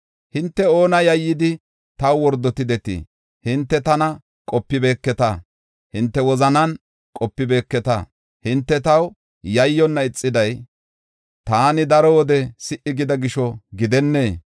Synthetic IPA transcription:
hɪnt̪ːɛo̞ːnɐjɐjːɪd̪ɪ | t̪ɐwwɔɾd̪ɔt̪ɪd̪ɛt̪ḭ | hɪnt̪ːɛt̪ɐnɐ | kʼɔpːɪbe̞ːkːɛt̪ɐ | hɪnt̪ːɛwɔzɐnɐn | kʼɔpːɪbe̞ːkːɛt̪ɐ̰ | hɪnt̪ːɛt̪ɐw | jɐjːɔnːɐɪt͡sʼːɪd̪ɐj | t̪aːnɪd̪ɐɾɔwɔd̪ɛsɪʔɪɡɪd̪ɐɡɪʃɔɡɪd̪ɛnːeː

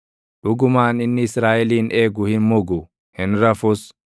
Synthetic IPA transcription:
ᶑʊɡʊmaːnɪnːɪɪsɾaːʔɛliːnʔe̞ːɡʊhɪnmʊɡʊ | hɪnɾɐfʊs

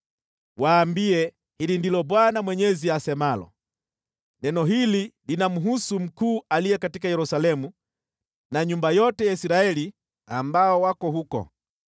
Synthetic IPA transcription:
waːmbiɛ | hilindilɔbwanamwɛɲɛziasɛmalɔ̰ | nɛnɔɦililinamuɦusum̩kuːʔalijɛkatikajɛɾusalɛmu | naɲumbajɔtɛjaisiɾaɛli | ambaɔwakɔhukɔ̰

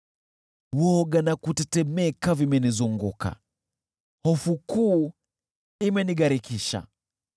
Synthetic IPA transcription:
wɔɡanakutɛtɛmɛkavimɛnizuŋɡuka̰ | hɔfukuː | imɛniɡaɾikiʃa̰

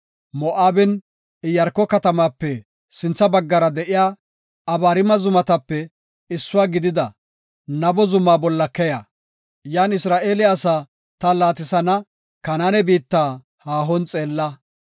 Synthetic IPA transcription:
mɔʔaːbɪn | ɪjɐɾkːɔkɐt̪ɐmaːpːɛ | sɪnt͡sːɐbɐɡːɐɾɐd̪ɛʔɪjaː | ɐbaːɾɪmɐzʊmɐt̪ɐpːɛ | ɪsːʊwaːɡɪd̪ɪd̪ɐ | nɐbɔzʊmaːbɔlːɐkɛjɐ | jaːnɪsɾaːʔeːlɪɐsaː | t̪ɐlaːt̪ɪsɐnɐ | kɐnaːnɛbiːt̪ːaː | haːɦɔnt͡sʼe̞ːlːɐ

